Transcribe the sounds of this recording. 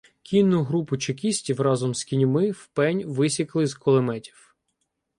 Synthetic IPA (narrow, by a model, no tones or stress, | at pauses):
kʲinːʊɦɾupʊt͡ʃekʲisʲtʲiwrɑzɔmskʲinʲmɪwpɛnʲʋɪsʲiklˠɪzkɔlˠemɛtʲi̥w